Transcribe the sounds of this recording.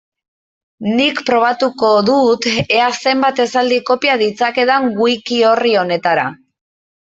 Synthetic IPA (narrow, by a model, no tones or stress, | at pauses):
nikpɾo̞β̞at̪uko̞ðut̪e̞ase̞mbat̪e̞sald̪iko̞piaðit͡sake̞ðaŋɡujkio̞rio̞ne̞t̪aɾa̰